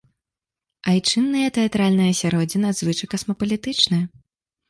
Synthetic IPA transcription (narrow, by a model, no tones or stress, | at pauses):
ɐjt͡ʂɨnːɨjɐt̪ɛat̪ɾalʲnɨjɐsʲaɾɔd͡zʲinɨɐd̪zvɨt͡ʂɐkɐsmɐpɐlʲit̪ɨt͡ʂnɨjɐ